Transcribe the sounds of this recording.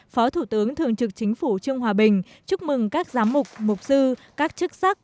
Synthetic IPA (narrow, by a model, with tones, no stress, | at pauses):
fɔ˨˦t̪ʰu˧˩t̪ɨ˨˦əŋt̪ʰɨ˨˩əŋt͡ɕɨ˨˩k̚t͡ɕï˨˦ŋ̟fu˧˩t͡ɕɨ˧əŋɦwaː˨˩ɓï˨˩ŋ̟ | t͡ɕu˦˥k͡p̚mɨ˨˩ŋkaː˦˥k̚zaː˨˦mmʊ˨˩k͡p̚mʊ˨˩k͡p̚sɨ˧kaː˦˥k̚t͡ɕɨ˦˥k̚sa˦˥k̚